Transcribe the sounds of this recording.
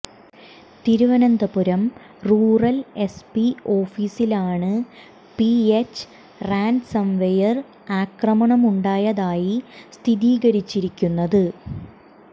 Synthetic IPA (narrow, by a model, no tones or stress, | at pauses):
t̪iɾuʋɐnɐnd̪ɐpuɾɐm | ruːrɐle̞spio̞ːfiːsilaːɳɨ | piet͡ɕː | raːnɖsɐmʋejɐr | aːkrɐmɐɳɐmuɳɖaːjɐðaːjist̪ʰiðiːɡɐɾit͡ɕːiɾikʲːunːɐðɨ